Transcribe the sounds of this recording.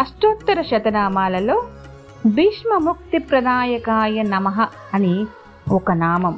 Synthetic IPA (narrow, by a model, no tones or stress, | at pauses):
ɐʃʈoːt̪ːɐɾɐʃɐt̪ɐnaːmaːlɐloː | biːʂmɐmuk̚t̪ipɾɐnaːjɐkaːjɐnɐmɐɦɐ | ɐni | ɔkɐnaːmɐm